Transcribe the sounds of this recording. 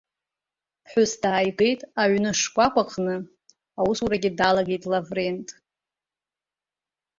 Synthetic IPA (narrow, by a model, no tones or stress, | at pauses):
ħʷʊsdaːjɡe̞jtʼaʕnɨʂkʷʼakʷʰʼaqʰʼnɨ | awusuɾaɡʲidalaɡejtʼlavrentʼ